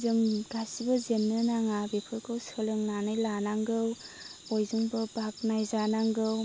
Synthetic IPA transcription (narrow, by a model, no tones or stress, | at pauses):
zɯŋɡasibɯzenːɯnaŋabepʰɯɾkʰɯwsɯlɯŋnanɯjlanaŋɡɯw | ɔjzɯŋbɯbak̚najzanaŋɡɯw